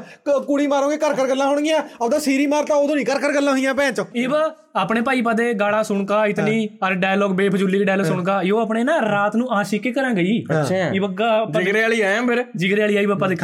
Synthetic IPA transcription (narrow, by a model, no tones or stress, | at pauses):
kuɽiːmaːɾõːɡeːkəɾkəɾɡəlːãːɦoːɽ̃ɡɪãːəbd̪aːsiːɾiːmaːɾt̪ãːoːd̪õːnĩːkəɾkəɾɡəlːãːɦoijãːpɛ̃ːt͡ʃəɪːb | aːpɳeːpaːiːpəd̪eːɡaːɽãːsʊɳkaːɪt̪nĩːəɾɖaːjlɔːɡbeːpʰəd͡ʒʊlːiːkːɖaːjlɔːsʊɳkaːɪoːəpɳeːnãːɾaːt̪nũːãːʃikeːkəɾãːɡəiːəɪːbəɡaːd͡ʒəɪɡɾeːaːɭiːaːãːpʰɪɾd͡ʒɪɡɾeːaːɭiːaːiːbəpəd̪eːkʰ